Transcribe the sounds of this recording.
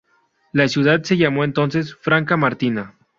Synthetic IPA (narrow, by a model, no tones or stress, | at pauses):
lasjuðad̪se̞ʝamoent̪o̞nse̞sfɾaŋkamaɾt̪ina